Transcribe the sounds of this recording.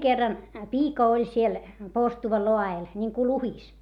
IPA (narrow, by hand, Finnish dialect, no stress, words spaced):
kerːɑn piːkɑ olʲ siel porstuʋɑ loɑel nʲiŋku luhis